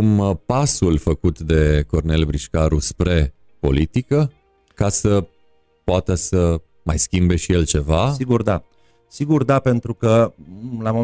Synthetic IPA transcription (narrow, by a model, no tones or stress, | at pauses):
kumpasulfəkut̪d̪e̞ko̞rne̞lbɾiʃkaɾuspɾe̞ | po̞̰lit̪ikə | kasə | poat̪əsə | majskʲimbe̞ʃije̞lt͡ʃe̞vasiɡurd̪a | siɡurd̪ape̞nt̪ɾukəlamo